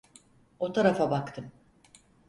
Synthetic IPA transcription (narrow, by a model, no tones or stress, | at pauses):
o̞t̪ʰaɾafabakt̪ʰɯm